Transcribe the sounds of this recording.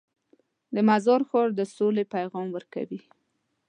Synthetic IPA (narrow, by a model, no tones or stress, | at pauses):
d̪əmazɑɾxoɾd̪əsolepajɣɑmwəɾka̰wi